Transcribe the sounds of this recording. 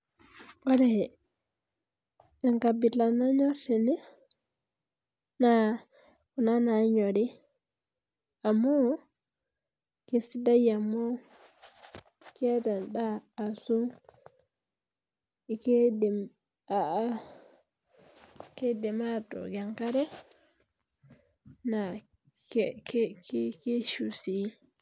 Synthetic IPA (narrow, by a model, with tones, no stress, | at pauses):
wa˦dɛɛ | ɡa˨ŋkabi˨ta˨na˦ɲɔtɛ˨nɛ˦ | na | ku˨na˦naɲɔ˨di˦ | a˨mɔ˦ | kesi˦da˦ja˨mɔ˦ | kɛta˨nɗaː˦˨su˦ | kdɛ | a | kɛdɛ˨matɔ̰ɡaŋkaɾɛ˦ | na | kkkke˦ʃusi